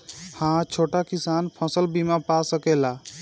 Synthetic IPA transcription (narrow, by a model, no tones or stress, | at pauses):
hãt͡ʃʰoʈakisanpʰə̃səlbimapasəkɛla